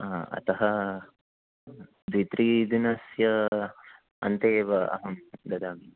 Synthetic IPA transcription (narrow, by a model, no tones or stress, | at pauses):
aːɐ̰t̪ɐɦɐ | d̪ʋit̪ɾiːd̪inɐsjɐ | ɐ̰nt̪eːʋɐɐ̰ɦɐmd̪ɐd̪aːmi